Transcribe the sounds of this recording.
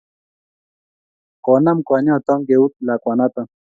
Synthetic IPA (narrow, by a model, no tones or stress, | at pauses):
konamkʷaɲot̪ɔŋɡeut̪̚lakʷanat̪aŋ